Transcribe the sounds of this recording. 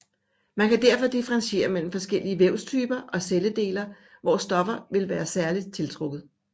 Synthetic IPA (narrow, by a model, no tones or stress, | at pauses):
mænkæd̥æɐ̰fɒ̽d̥ifəʁɑ̈nsɕe̝̰ːɐmel̰m̩fɒ̽sɡ̥el̰iəʋeʊ̰st͡sʰyːb̥ɐʔɒ̽seləd̥e̝̰ːlɐ | ʋɒsd̥ɒ̽fɐʋe̝lʋæːɐsæɐlid̥̚t͡sʰe̝lt͡sʰʁoɡ̥ð̞̩ˠ